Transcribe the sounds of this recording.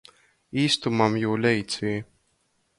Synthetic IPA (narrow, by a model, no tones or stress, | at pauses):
iːst̪umamjuːlʲɛjt̪sʲiː